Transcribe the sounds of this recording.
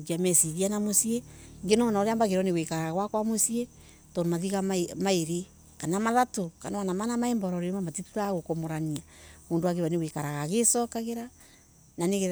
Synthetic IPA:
kiamɛsiðianamosieŋɡenɔnaoɾeambaɣeɾɔneɣwekaɾaɣaɣwakwamosie | tɔnmaðiɣamaemaeɾe | kanamaðatokanaanamanamaɛmbɔɾɔɾeomamatituɾaɣokomoɾaniamoːndowaɣeβaneɣwekaɾaɣaɣesɔkaɣeɾa | naneɣe

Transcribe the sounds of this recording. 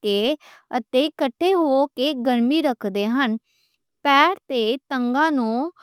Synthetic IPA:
eːət̪eːkəʈʰːeːɦoːkeːɡəɾmiːɾəkʰd̪eːɦən | pɛːɾt̪eːt̪əŋɡãːnũː

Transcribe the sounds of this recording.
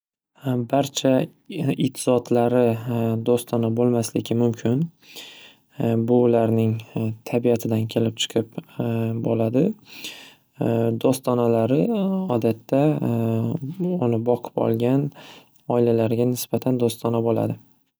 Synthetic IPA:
baɾt͡ʃʰa | ɪt̪ʰɪzɒt̪ʰlaɾɪd̪ost̪ʰɒnabolˠmaslɪɡʲɪmʊmkʲʰɪn | bʊːlaɾnɪŋt̪ʰabiat̪ʰɪd̪ankʲʰe̞lɪp̚t͡ʃʰɨ̥qʰɨp̚bolad̪ɪ | d̪ost̪ʰɒnalaɾɪɒd̪at̪ʰːa | ʊnɪbɒqʰɨ̥pɒ̰lˠɡʲan | ɒɪlalaɾɡʲanɪsbat̪ʰand̪ost̪ʰɒnabola̰d̪ɪ

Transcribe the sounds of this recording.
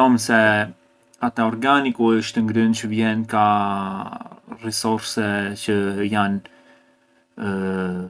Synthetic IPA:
ɔmsɛ | at̪ɛɔɾɡanikuəʃt̪əŋɡɾynt͡ɕəvjɛnka | rɛsɔɾsɛt͡ɕəjan

